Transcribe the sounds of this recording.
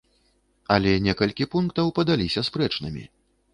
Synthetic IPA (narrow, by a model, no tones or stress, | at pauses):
ɐlʲɛnʲɛkɐlʲkʲipunkt̪ɐwpɐd̪alʲisʲɐspɾɛt͡ʂnɨmʲḭ